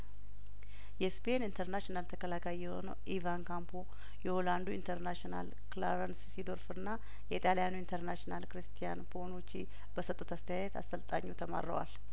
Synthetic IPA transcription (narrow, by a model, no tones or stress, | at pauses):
jɛspʰe̞nint̪ʰəɾnaʃinalt̪ʰəkəlakʰajiːɛho̞̰nə̰wʔivankʰampʰo | jɛholand̪uint̪ʰəɾnaʃona̰l | klaɾanssid̪o̞ɾfɨnːa | jɛit̪ʼalijanuint̪ʰəɾnaʃnalkɨɾɨst̪ʰija̰npʰo̞nut͡ʃːi | b̥əsət̪ʼːut̪ast̪əjajɛt̪a̰st̪ʰəlt̪ʼa̰ɲːut̪ʰəma̰ɾːə̰wa̰l